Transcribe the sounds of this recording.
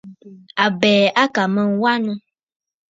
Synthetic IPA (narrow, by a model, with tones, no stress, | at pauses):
a˨bɛ˨a˦ka˨mɛ̃˨ŋ˦wa˦nũ˦